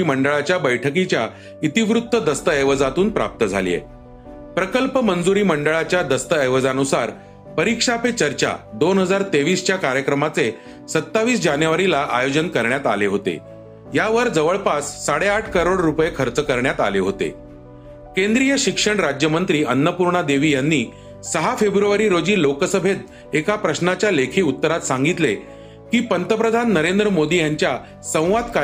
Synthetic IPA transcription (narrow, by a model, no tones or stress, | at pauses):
iːməɳɖəɭat͡ɕjabəjʈʰək̬it͡ɕja | it̪iʋɾut̪ːəd̪əst̪əəjʋəd͡zat̪uːnpɾa̰p̚t̪əd͡zʱa̰lḭjḛ | pɾəkəlpəmənd͡zuɾiːməɳɖəɭat͡ɕjad̪əst̪əəjʋəd͡zanusaɾ | pəɾikʂapet͡ɕəɾt͡ɕa̰d̪onɦəd͡zaɾt̪eʋiːst͡ɕjakaɾjəkɾəmat͡se | sət̪ːaʋiːsd͡ʑanjʋaɾilaʔajod͡ʑənkəɾɳjat̪aleɦot̪ḛ | jaʋəɾd͡zəʋəɭpasːaɽeaʈʰkəɾoɽɾupjekʰəɾt͡səkəɾɳjat̪a̰leɦot̪ḛ | kẽnd̪ɾijəɕikʂəɳɾad͡ʑjəmənt̪ɾiːənːəpuɾɳəd̪eʋiːjanːiː | səɦafebɾuʋəɾiːɾod͡ʑiːlokəsəbʱet̪̚ | ekapɾəɕnat͡ɕjalekʰiːut̪ːəɾat̪sãŋɡit̪le | kiːpənt̪əpɾəd̪ʱanːəɾend̪ɾəmod̪iːjaɲt͡ɕja | sə̃w̃ʋad̪ka